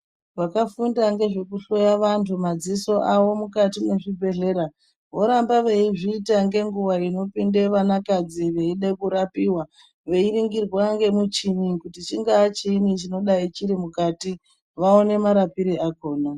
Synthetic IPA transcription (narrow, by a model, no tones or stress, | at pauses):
ʋakafundaŋɡe̞ʐe̞kuɬo̞jaʋantʰumad͡ziso̞ʔaʋo̞mukatime̞ʐibʱe̞ɮe̞ɾa | ʋo̞ɾambaʋe̞iʐiːtaŋɡe̞ŋɡuʋaino̞pinde̞ʋanakad͡ziʋe̞iɗekuɾapiwa | ʋe̞iriŋɡirwaŋɡe̞mut͡ʃinikutit͡ʃiŋɡaːt͡ʃinit͡ʃino̞ɗait͡ʃiɾimukati | ʋaone̞maɾapiɾiako̞ːna